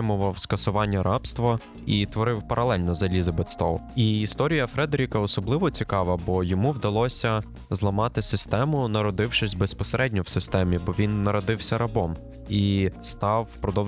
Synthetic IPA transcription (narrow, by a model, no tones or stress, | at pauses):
ɪmʊʋɐwskɐsʊʋɑnʲːɐɾɑpst̪ʋɐ | it̪ʋɔɾɪwpɐɾɐlˠɛlʲnɔzɐlʲizɐbet̪st̪ɔlˠiːst̪ɔɾʲijɐfɾɛd̪eɾʲikɐɔsɔblˠɪʋɔt͡sʲikɑʋɐbɔjɔmuwd̪ɐlˠɔsʲɐ | zlˠɐmɑt̪ɪsɪst̪ɛmʊnɐɾɔd̪ɪwʃɪsʲbespɔseɾʔɛdʲnʲɔwsɪst̪ɛmʲibɔʋʲinːɐɾɔd̪ɪwsʲɐɾɐbɔm | ist̪ɑwpɾɔd̪ɔw